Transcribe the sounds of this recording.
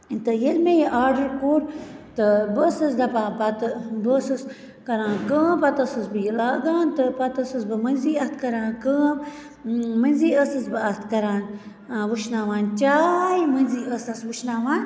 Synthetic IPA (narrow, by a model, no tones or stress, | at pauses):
int̪ɨjelmejeʔaːɾɖɐɾkoːɾt̪ɨbəsɐsd̪ɐpaːpɐt̪bəsɐs | kɐɾãːnkəːmpɐt̪ɐsɐsbɨjlaːɡaːnt̪ɨpɐt̪ɐsɐsbɨmɐnʲziːɐt̪kɐɾãːnkəː | mɐnʲziːəsɐsbɨɐt̪ʰkɐɾaːn | ʋuʃnaːʋaːnt͡ʃaːjmɐnʲziːʔəsɐsʋuʃnaːʋaːn